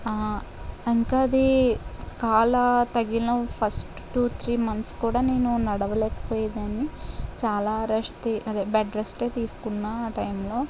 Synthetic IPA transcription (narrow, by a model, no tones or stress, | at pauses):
a | iŋkaːɐd̪i | kaːlɐt̪ɐɡiloːpʰɐsʈ | ʈuːt̪ʰɾiːmɐnt̪skuːɽaːne̞ːnunɐɽɐʋɐleːkɐ̥poːjd̪ɐnit͡ʃaːlaːɾɐsʈeʔɐd̪eːbɐɖɾɐsʈeːt̪iːsu̥kunːaːʈɐjmloː